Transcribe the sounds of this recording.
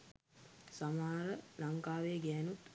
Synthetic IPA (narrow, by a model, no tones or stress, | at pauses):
samaːɾəlaŋkaːʋeɡɛːnut̪